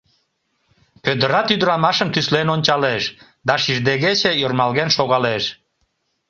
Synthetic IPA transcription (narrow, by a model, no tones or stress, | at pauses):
pød̪əɾɑt̪yd̪əɾɑmɑʃəmt̪yslenonʲt͡ɕɑleʃ | d̪ɑʃiʒd̪eɣet͡ɕejormɑlɣenʃoɣɑleʃ